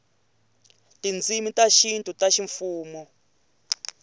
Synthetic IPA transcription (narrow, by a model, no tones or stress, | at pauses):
tʼind͡zimitaʃintʼutaʃiɱfuːmɔ